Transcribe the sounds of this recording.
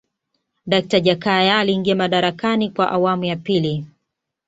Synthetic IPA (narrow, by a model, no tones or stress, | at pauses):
ɗak̚taʄakajaːliːŋɡiamaɗaɾakanikwaʔawamujapili